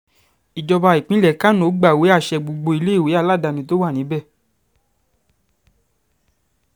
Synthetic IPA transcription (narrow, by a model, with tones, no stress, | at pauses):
i˨d͡ʒɔ˧ba˧i˨k͡pĩ˨˦lɛ˦˨˦ka˦no˨˦ɡ͡ba˦˨we˨˦a˦˨ʃɛ˧ɡ͡bo˧˨ɡ͡bo˧i˧le˦i˦˨we˨˦a˦˧˨la˦˨da˧nĩ˧˦to˦wa˦˨nĩ˨˦bɛ˦˨